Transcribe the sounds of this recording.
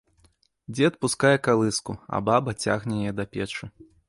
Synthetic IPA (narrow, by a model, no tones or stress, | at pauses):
d͡zʲɛɐt̪̚puskajɛkalˠɨskuɐ̰babɐt͡sʲa̰ɣnʲɛjɛd̪ɐpʲɛt͡ʂu